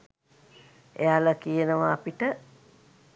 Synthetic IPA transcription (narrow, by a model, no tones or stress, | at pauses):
ḛaləkijənəʋaːpiʈə